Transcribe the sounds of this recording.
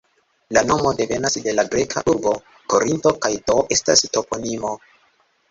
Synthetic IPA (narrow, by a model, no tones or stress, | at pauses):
lano̞mode̞ve̞nasde̞laɡɾe̞kʰa̰ʔuɾbo̞ | ko̞ɾinto̞kajdoʔe̞sta̰sto̞po̞nimo̞